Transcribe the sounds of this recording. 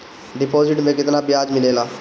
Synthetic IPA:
ɖɪpoːzɪʈmẽːkɪt̪naːbɪjaːd͡ʒmɪleːlaː

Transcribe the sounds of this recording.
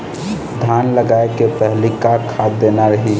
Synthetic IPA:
d̪ʱaːnləɡaːekepɛɦlikakʰaːd̪d̪eːnaɾəɦi

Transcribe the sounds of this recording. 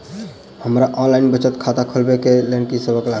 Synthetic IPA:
həmɾaʔɔ̃nlainbət͡ʃət̪kʰat̪akʰəlbekelenkisəbəkla

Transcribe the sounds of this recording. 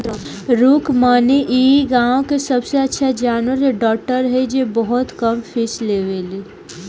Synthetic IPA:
ɾuːkmaːniʔiːɡãːõkesɐbseɐtːʃʰad͡ʒaːnwəɾeɖɔːk̚ʈəɾɦɛd͡ʒebɔɦɔt̪kɐmfɪsleːʋeliː

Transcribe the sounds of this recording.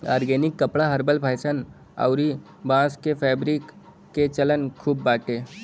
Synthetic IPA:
aːɾɡeːnɪkːəpɽaɦɐɾbəlpʰaːɪsən | a̰ʊɾi | bãːskepʰɛːbɾikː | et͡ʃələnkʰuːbːaːʈeː

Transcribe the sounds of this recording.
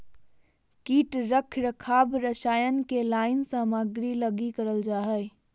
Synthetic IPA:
kiʈɾəkʰɾəkʰabɾəsajənkelaɪnsaːmaɡɾiləɡikəɾəld͡ʒaɦəj

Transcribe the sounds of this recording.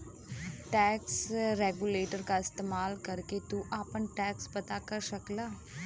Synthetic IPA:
ʈɛːksɾeːɡuleːʈəɾkaɪst̪eːmaːlkəɾket̪uʔaːpənʈɛːkspɐt̪akəɾsəklaː

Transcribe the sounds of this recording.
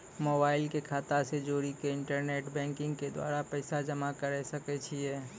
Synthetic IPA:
moːbaːɪlkekʰaːt̪ased͡ʒoːɾikeɪ̃ɳʈəɾneːʈbɛ̃ːŋkɪ̃ŋɡked̪wa̰ːɾapɛːɪsad͡ʒəmakəɾesəket͡ʃʰiɛː

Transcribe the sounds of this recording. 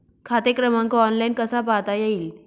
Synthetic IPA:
kʰat̪ekɾəmãŋkaɔnlainkəsapat̪ajeiːl

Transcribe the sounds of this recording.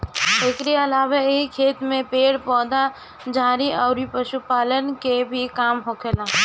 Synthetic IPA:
ekɾeəlaːbaeɦikʰeːt̪mẽpeːɽpɔːd̪a | d͡ʒaːɾiɔːɾipəʃupaːlənkebʱikaːmɦoːkʰeːla

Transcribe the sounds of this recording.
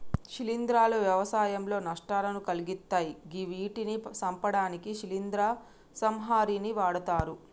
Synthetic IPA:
ʃilind̪ɾaːlɐʋjɐʋɐsaːjɐmlo̞ːnɐʂʈaːlɐnukɐliɡit̪ːaːjiɡiʋiːʈinisɐmpɐɽaːnikiʃilind̪ɾaː | sɐmɦaːɾiːniʋaːɽɐt̪aːɾu

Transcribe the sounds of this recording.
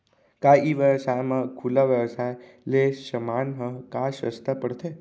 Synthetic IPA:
kajʔiʋjəʋsajmãkʰulaʋjəʋsaj | leːəmanɦə̃kaʃə̰st̪ʰəpəɽt̪ʰe

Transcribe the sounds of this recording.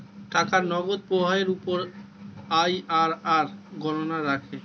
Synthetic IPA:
ʈakaɾnɔɡod̪̚pɾobʱaeɾupoɾ | ajaɾaɾɡɔnonaɾakʰe

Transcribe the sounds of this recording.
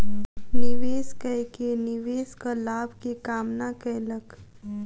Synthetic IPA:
nɪʋeːskəjkenɪʋeːskalaːbʱkekaːmnakɛlək

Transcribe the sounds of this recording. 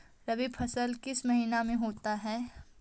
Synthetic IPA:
ɾɐbiːbfʰɐsəlkɪsmɐɦiːnamẽɦoːt̪aɦɛː

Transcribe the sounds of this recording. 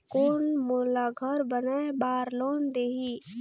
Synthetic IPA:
koːnmoːlaɡʱəɾbənaːebaːɾloːnd̪eːɦi

